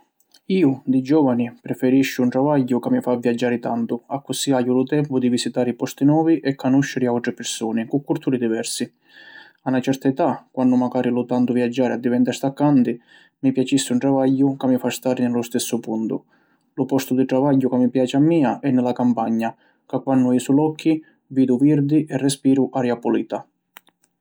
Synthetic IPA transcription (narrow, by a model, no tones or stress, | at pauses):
iːʊd̪ɪd͡ʒɔːvanipɾɛfɛɾiʃːʊuɳʈ̪ɾavaʎːʊkamːifavːjad͡ʒːaːɾɪt̪ant̪ʊakːʊsiajːulʊt̪ɛmpʊd̪ivisit̪aːɾɪipɔst̪inwɔːviʔɛkːanuʃːɪɾɪawʈ̪ɾɪpɪɾsuːnɪkukːuɾt̪ʰuːɾid̪ivɛɾsi | anːat͡ʃɛɾt̪aɛt̪akwanːʊmaɡaːɾilʊt̪ant̪ʊvjad͡ʒːaːɾɪad̪ːivɛnt̪aɾst̪akːant̪i | mipjat͡ʃisːɪuɳʈɾavaʎːʊkamːifast̪aːɾɪnɪlʊst̪ɛsːʊpunt̪ʊ̰ | lʊpɔst̪ʊd̪iʈ̪ɾavaʎːʊkamːipjaːt͡ʃɪamːiːaʔɛnːɪlakampaɲːa | kakːwanːʊɛsulɔkʰːi | viːd̪uviɾd̪iʔɛrːɛspiːɾʊʔaɾjapʊliːt̪a